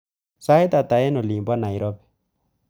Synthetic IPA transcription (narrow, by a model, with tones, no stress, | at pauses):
sa˦e˦t̪a˨t̪a˨jɛ˦no˨li˨mbwa˦na˨i˨ɾɔ˦bɛ̥˨